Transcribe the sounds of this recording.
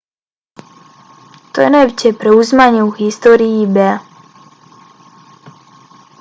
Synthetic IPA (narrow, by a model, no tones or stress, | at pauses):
t̪ɔɛnɛwcɛpɾɛuzmaɲɛɣist̪ɔːɾiibɛ